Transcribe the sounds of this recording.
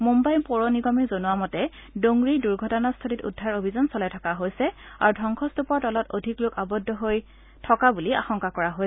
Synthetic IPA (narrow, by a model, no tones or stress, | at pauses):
mumbajnpɔɹoniɡɔmizonuwamɔtɛ | doŋɡɹiduɹɡʱɔtɔnastʰoɹitṵdʱːaɹobʱizɔnsɔlajtʰɔkaɦojsɛa̰ɹudʱɔŋkʰɔstupɔɹtɔlɔtodʱiklʊkabɔdʱːɔɦoj | tʰɔkabulia̰xɔŋkakɔɹaɦojɛ